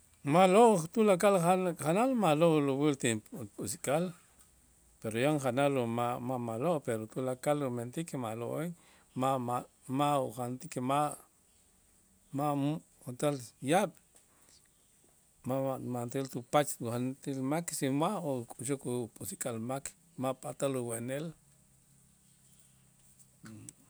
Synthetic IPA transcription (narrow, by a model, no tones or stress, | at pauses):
maloʔt̪ulakalaχanalmaloluwilt̪ipʼusikʼal | peɾojoŋχanalomamamaloʔpeɾot̪ulakalument̪ikemalo̰ʔeŋ | maa | mauχant̪ikema | mam | χant̪aljaɓ̥ | mamant̪ilt̪upat͡ʃant̪ilmaksinwaʔokʼuʃokupʼusikʼalmak | mapʼat̪aluweʔnel